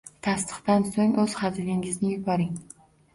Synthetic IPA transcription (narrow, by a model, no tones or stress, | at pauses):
t̪ʰast̪ʰɨ̥χt̪ansoŋɵz̥χazɪlɪŋɪznɪjʊbɒɾɪŋ